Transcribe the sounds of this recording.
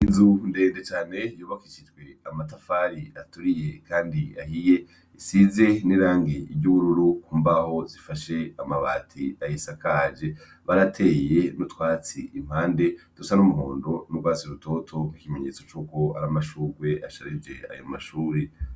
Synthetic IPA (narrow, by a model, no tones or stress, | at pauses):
inzunde̞ːndet͡ʃaːne̞juːβakit͡ʃid͡ʒɡwe̞amat̬afaɾiatuɾije̞kaːndia̰hije̞ | isize̞niɾaːŋɡeʔibɟuβuɾuɾukuːmbaho̞zifaʃe̞amaβa̰ːtʰiajisakad͡ʒe̞ | βaɾatʰe̞ːje̞nutwaːt͡sḭʔim̥haːnde̞tusanumuɦo̰ːndo̞nuɡwaːsiɾuto̞tʰo̞m̥ikimeɲe̞t͡so̞t͡ʃuːko̞aɾamaʃuːɾɡwe̞aʃaɾid͡ʒe̞̰a̰joma̰ʃuːɾe